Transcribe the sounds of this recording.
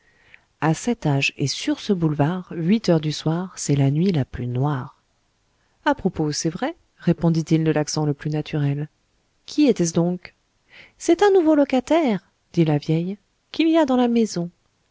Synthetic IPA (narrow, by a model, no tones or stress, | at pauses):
asɛt̪aʒḛsyʁsəbulvaʁɥit̪œʁd̪yswaʁsɛlanɥilaplynwaʁ | apχɔposɛvʁɛ | ʁepɔ̃d̪it̪ild̪əlaksɑ̃ləplynat̪ʰyʁɛl | kʲʰiet̪ɛs̬d̪ɔ̃k | sɛt̪ɛ̃nuvolɔkat̪ɛʁ | d̪̥ilavjɛj | kʲiliad̪ɑ̃lamezɔ̃